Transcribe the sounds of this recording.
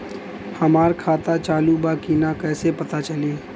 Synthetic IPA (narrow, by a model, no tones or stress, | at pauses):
hɐmaːɾkʰaːt̪at͡ʃaːlubaːkiːnakɛːsepɐt̪at͡ʃɐleː